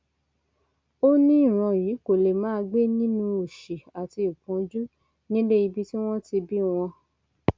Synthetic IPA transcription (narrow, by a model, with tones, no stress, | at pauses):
o˦nĩ˦ĩ˦˨ɾ̃ɔ̃˨˧˨ji˨˦ko˨le˨mãː˨˦˧ɡ͡be˦nĩ˦nũ˧o˨ʃi˨a˨ti˧u˨kũ˨˦d͡ʒu˦ | nĩ˦le˦i˧bi˦ti˦w̃ɔ̃˦ti˧bi˦w̃ɔ̃˧